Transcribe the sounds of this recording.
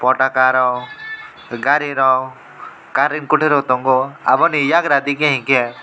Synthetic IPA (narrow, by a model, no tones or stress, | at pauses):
pɔʈakaɾɔ | ɡaɾiɾɔw | kaɾinkʊʈʰeɾɦot̪ɔ̃ŋɡoa̰bɔnijaɡɾad̪ikẽɦĩke